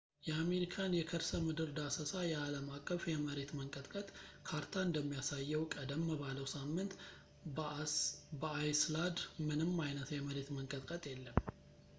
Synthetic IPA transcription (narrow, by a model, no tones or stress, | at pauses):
jɛame̞ɾikʰanjɛkʰəɾsəmɨd̪ɨɾd̪asəsajɛaləmakʼːəfjɛməɾe̞t̪məŋkʼət̪ʼkʼət̪ʼkʰaɾt̪ʰaɨnd̪əmːijasajːɛwkʼəd̪əmːəβaləwsamːɨnt̪ | bəajslad̪mɨnɨmːajnət̪jɛməɾe̞t̪məŋkʼət̪ʼkʼət̪ʼjɛlːəm